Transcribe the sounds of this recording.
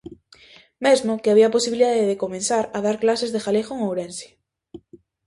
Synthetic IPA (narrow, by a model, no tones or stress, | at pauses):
mezmokeaβ̞iapo̞siβiliðaðeðekomẽnsaɾaðaɾklasezðexalexoeŋowɾense̥